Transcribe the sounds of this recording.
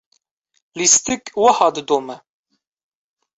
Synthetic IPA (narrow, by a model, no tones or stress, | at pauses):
list̪ikwɐhɑːd̪ɨd̪oːmɛ